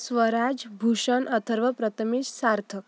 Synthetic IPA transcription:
sʋəɾad͡zbʱuɕənʔət̪ʰəɾʋəpɾət̪ʰəmissaɾt̪ʰə

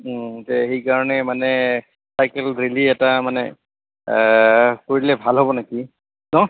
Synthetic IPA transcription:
tɛxejkaɹɔnɛmanɛ | sajkɛlɹiliɛtamanɛ | koɹilɛbʱalɦobɔnaki | nɔ

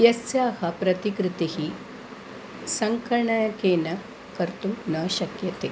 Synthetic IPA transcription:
jɐsjaːhɐpɾɐt̪ikɾɪt̪ihi | sɐŋkɐɾɳɐjɐkeːnɐ | kɐɾt̪umnɐːʃɐkjɐt̪e

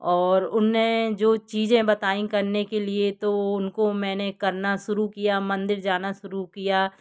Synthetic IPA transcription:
ɔːɾʊnːẽd͡ʒoːt͡ʃiːd͡ʒẽbɐt̪aːĩkɐɾnekeliet̪oʊnkomɛ̃ːnekɐɾnaʃʊɾukijamɐ̃nd̪ɪɾd͡ʒaːnaʃʊɾukijaː

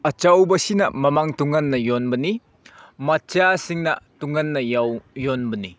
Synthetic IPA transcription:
ɐt͡ʃawbɐsinɐ̰mɐmaŋtuŋɐnːɐjɔnbɐni | mɐt͡ʃasiŋnɐ̰tuŋɐnːɐjawjɔnbɐni

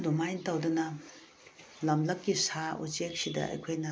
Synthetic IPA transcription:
domajntawdɐnɐ | lɐmlɐkːisaṵt͡ʃek̚sidɐ̰ɐ̰jkʰojnɐ

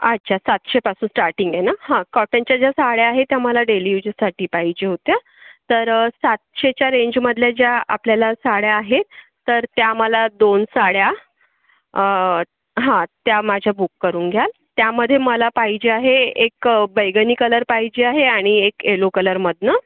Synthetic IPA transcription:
ətːɕʰasat̪ɕepasuːnsʈaɾʈiŋɡjenahãkɔʈəɲt͡ɕjad͡ʑasaɽjaaɦet̪jaməlaɖelijud͡ʑəsaʈiːpaɦid͡ʑeɦot̪ja | t̪əɾsat̪ɕet͡ɕjaɾeɲd͡ʑməd̪ʱljad͡ʑjaa̰pljalasaɽjaːɦet̪ːəɾt̪jaməlad̪onsaɽja | ɦãt̪jamad͡ʑʱjabukːəɾuːnɡʱjal | t̪jaməd̪ʱːjeməlapaɦid͡ʑeaɦeekbəjɡəniːkələɾpaɦid͡ʑeaɦeaɽ̃iekelokələɾməd̪ʱnə

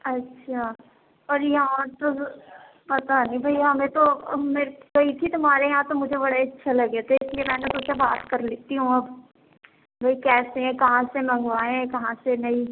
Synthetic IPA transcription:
ɐtːʃʰaː | ɔːɾjɐɦãt̪o | pɐt̪anĩbʱɐiɦɐmẽt̪omeːɾɡɐit̪ʰit̪ʊm̤aːɾejɐɦãt̪omʊd͡ʒʱebɐɽaɐtːʃʰalɐɡet̪ʰeɪsliemɛ̃ːnet̪ʊsebaːt̪kɐɾleːt̪iɦũɐb | bʱɐikɛːseɛ̃kɐɦãsemɐ̃ŋɡʋaːẽkɐɦãsenɐi

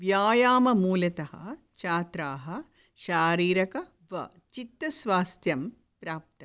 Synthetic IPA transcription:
ʋjaːjaːmɐmuːlɐt̪ɐɦɐ̰ | t͡ʃaːt̪ɾaːɦɐ | ʃaːɾiːɾɐkɐ | ʋɐ̰ | t͡ʃit̪ːɐsʋaːst̪jɐm | pɾaːp̚t̪ɐ

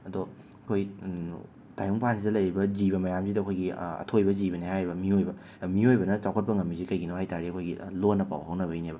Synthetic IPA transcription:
ɐdo | kʰoj | tajuŋpansidɐlɐjɾibɐziβɐmɐjamzsidɐːkʰojɡiɐ̰tʰojbɐzibɐnihajɾibɐmiojbɐ | miojbɐnɐt͡ʃawkʰɐt̚pɐŋɐmːizikɐjɡinohajtaɾiɐkʰojɡilonːɐpa̰wɦɐwnɐβɐinebɐ

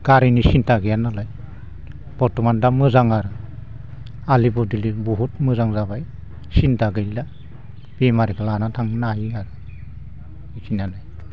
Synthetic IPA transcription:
ɡ̥aɾinisintaɡijanalaj | b̥ɔtɔmandamɯzaŋaɾɯ | alibɔdilibuɦut̚mɯzaŋzabaj | sintaɡɯla | b̥emaɾikʰalanatʰaŋnajiaɾɯ | isʰinanaj

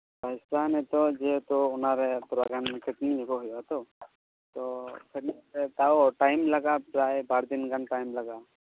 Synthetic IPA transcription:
bajsanɛt̪ɔd͡ʒet̪ɔːnaɾɛpɾaɡankʰəʈnid͡ʒʱekɔɦʊjɔat̪ɔ | t̪ɔkʰeʈnitet̪aoʈajmlaɡapɾajbaɽd̪inɡanʈajmlaɡa

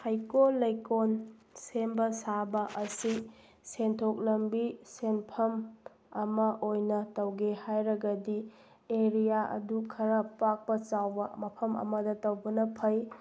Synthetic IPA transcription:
hajkolɐjkonsembɐsabɐʔɐsi | sentʰok̚lɐmbisenpʰɐm | ɐmɐʔojnɐtɐwɡehajɾɐɡɐdi | eɾijaʔɐ̰dukʰɐɾɐpak̚pɐt͡ʃawbɐmɐpʰɐmɐ̰mɐdɐtɐwbɐnɐpʰɐj

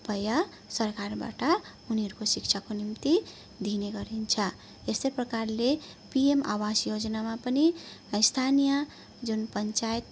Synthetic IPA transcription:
pʌjʌ | sʌrkarba̰ʈʌ | uniʌɾukosik̚t͡ʃʰakonimt̪i | d̪ʱineɡʌɾint͡sʰʌ | est̪ʌjprʌkarle | piema̰wasjod͡zʌnamapʌniist̪ʰanijʌ | d͡zunpʌnt͡sajet̪̚

